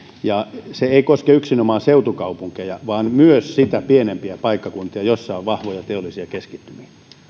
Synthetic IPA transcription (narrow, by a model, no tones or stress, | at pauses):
jɑseeikoskeyksinomɑːseut̪ukɑupuŋkejɑʋɑːnmyøssit̪æpienempiæpɑikːɑkunt̪iɑjosːɑoʋʋɑhʋojɑt̪eolːˑisiɑkeskit̪ːymi